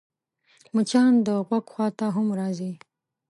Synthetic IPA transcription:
mut͡ʃɑnd̪əɣwaɡxʷwɑt̪aɦʊmɾɑzi

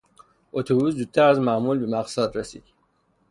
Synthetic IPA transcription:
ʔot̪ʰobuːszuːd̪̚t̪ʰæɾæzmæmuːlbemæqsæːd̪ɾesḭːd̪̥

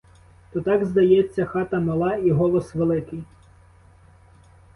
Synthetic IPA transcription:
t̪ɔt̪ɑɡzd̪ɐjɛt͡sʲːɐxɑt̪ɐmɐlˠɑiɦɔlˠɔsʋelˠɪkɪj

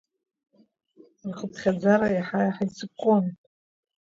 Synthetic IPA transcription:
rχəpʰχʲad͡zaɾajaħajħajt͡sʰɨkʷʼon

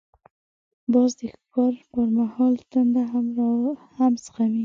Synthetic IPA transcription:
bɑzd̪əkɑɾpəɾmahɑlt̪ənd̪a | hamsə̥xawi

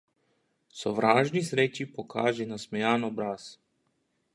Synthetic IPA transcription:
sɔʋɾaːʒnisɾeːt͡ʃipɔkʰaːʒɛnasmɛjaːnɔbɾaːs

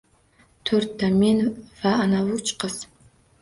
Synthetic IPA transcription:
t̪ʰøɾt̪̚ːamenvaːnavut͡ʃʰqəs

